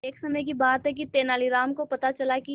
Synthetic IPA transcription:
eːksɐməjkibaːt̪ɦɛk̬it̪eːnaːliɾaːmkopɐt̪at͡ʃɐlaki

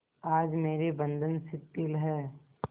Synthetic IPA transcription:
aːd͡ʒmeːɾebɐ̃nd̪ənsɪt̪ːɪlɦɛː

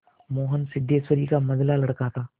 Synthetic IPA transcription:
moːɦənsɪd̪ʱːeːswəɾikamɐzlalɐɽkat̪ʰaː

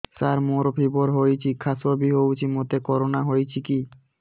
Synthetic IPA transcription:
saɾmoɾopʰiboɾɦojt͡ɕʰikʰasobiɦowt͡ɕʰimot̪ekɔɾonaɦojt͡ɕʰiki

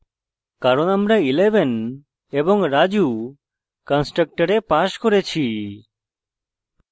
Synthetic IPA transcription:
kaɾonamɾaileben | ebɔŋɾad͡ʒu | kansʈɾək̚ʈaɾepaʃkoɾet͡ʃʰi

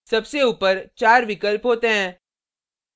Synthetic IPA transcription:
sɐbseupəɾt͡ʃaːɾʋɪkəlpɦoːt̪eɦɛ̃ː

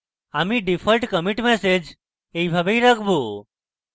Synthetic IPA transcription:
amiɖifʰəlʈkəmiʈmesed͡ʒ | eibʱabəiɾəkʰbo

